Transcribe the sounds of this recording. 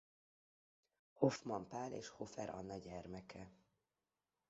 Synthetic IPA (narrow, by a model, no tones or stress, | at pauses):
ho̞fmɒmpaːlḛːʃho̞fɛɾʔɒ̰nːɒɟɛrmɛkʰɛ